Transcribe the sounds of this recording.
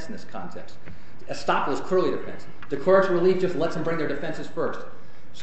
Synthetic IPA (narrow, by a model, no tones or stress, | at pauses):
sn̩ðɪskʰɑ̰̃ntʰɛ̰kst | ɨstɑkwʌz̥kʰə˞lˠiɾɨfɛ̰̃ns | d̥ɨkʰɔɹɨsɹəliv̥d͡ʒʌstˡlɛtsðɨmbɹɪ̃ŋðə˞dɨfɛ̃nsɨz̥fɜ˞st | s